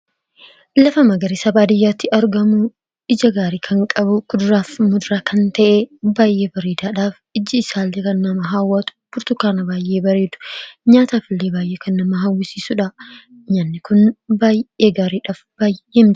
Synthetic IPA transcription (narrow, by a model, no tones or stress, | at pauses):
lɐfɐmɐɡɐɾɪsɐbaːd̪ɪjːaːt̪ːɪʔɐɾɡɐmʊ | ɪd͡ʒɐɡaːɾiːkʰɐŋkʼɐbʊkʊd̪ʊɾaːfmʊd̪ʊɾaːkɐnt̪ɐʔebaːjʔe̞ːbɐɾeːd̪aːᶑaːf | ɪd͡ʒːɪɪsaːlːeːkɐnːɐmɐɦaːwːat̪ʊ̥b̥ʊɾt̪ʊkːaːnɐbaːjʔe̞ːbɐɾeːd̪ʊ̥ɲaːt̪aːfɪlːeːbaːjʔeːkɐnːɐmɐɦɐwːɪsiːsʊᶑɐ | ɲaːnːɪkʊnbaːjʔe̞ːɡaːɾiːᶑaːfb̥aːjʔeːm